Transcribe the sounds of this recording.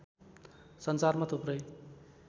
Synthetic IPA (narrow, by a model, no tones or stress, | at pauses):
sʌnsarmat̪ʰoprʌj